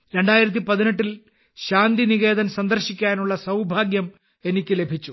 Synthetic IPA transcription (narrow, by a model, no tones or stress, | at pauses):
ɾe̞ɳɖaːjiɾɐt̪̬ːipɐðine̞ʈːil | ɕaːnd̪iniɣe̞ːd̪ɐnsɐnd̪ɐrɕikʲːaːnuɭːɐsɐwbʱaːɡjɐm | e̞nikʲːɨlebʱit͡ɕːu